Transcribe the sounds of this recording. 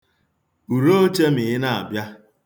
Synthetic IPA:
u˨ɾo˦o˦t͡ʃe˦m̩i˨ɦɪ˦na˨a̰˨bja˦

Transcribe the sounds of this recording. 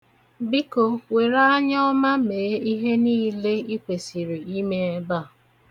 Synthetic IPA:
bi˦ko˨we˨ɾa˦a˦ɲɔ˦ɔ˦ma˦meː˨˦i˦ɦe˦niː˦le˦i˦kʷe˨si˨ɾi˨i˦me˦e˦ba˦˨

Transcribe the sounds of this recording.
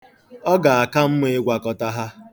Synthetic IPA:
ɔ˦ɡa˨a˨ka˦m̩˦me˦e˦ɡʷa˨kɔ˨ta˦ɦa˦

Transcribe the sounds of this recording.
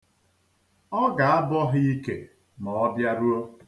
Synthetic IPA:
ɔ˦ɡa˨a˦bɔ˦ɦʊ˦i˦kḛ˨ | mɔ˨ɔ˦bja˦ɾu˦o˦

